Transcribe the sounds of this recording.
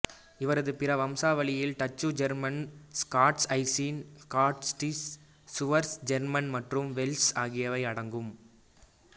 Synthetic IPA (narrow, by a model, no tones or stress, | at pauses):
ɪʋɐɾɐðɯpɪrɐʋɐmsaːʋɐɭɪjɪlt̪ɐt͡ʃːɯd͡ʒɐɾmɐnskaːʈsɐɪsiːnskaːʈsʈi | sʊʋɐɾsd͡ʒɛɾmɐnmɐʈrɯmʋɛlsaːɣɪjɐʋɐɪɐɽɐŋɡɯm